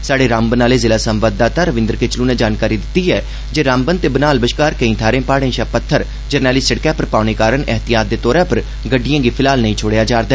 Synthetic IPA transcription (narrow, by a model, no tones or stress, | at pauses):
saːɽeːɾãːmbənaːleːzɪlaːsəmʋaːd̪d̪aːt̪aːɾəʋɪ̃nd̪əɾkɪt͡ʃlũːnẽːd͡ʒaːnkaːɾiːd̪ɪt̪ːiːɛː | d͡ʒeːɾãːmbənt̪eːbənaːlbəʃkaːɾkəĩːt̪ʰaːɾẽːpaːɽẽːʃaːpət̪ʰːəɾ | d͡ʒəɾnɛːlɪssəɽkɛːpəɾpaːɳeːkaːɾəɳɛɦt̪ɪjaːt̪̚d̪eːt̪ɔːɾãːpəɾ | ɡəɖːɪjãːɡiːpʰɪlaːlnəĩːt͡ʃʰoːɽejaːd͡ʒaːɾd̪ɛː